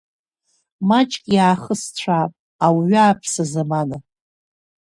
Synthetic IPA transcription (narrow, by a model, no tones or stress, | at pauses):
mat͡ʃʼkʲʼjaːχəst͡ɕʷʰapʼ | awɥaːpʰsazamana